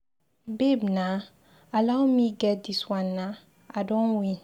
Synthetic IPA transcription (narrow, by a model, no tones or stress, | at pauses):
bebnã | alawmĩɡɛdiswãnːã | adɔ̃nwĩ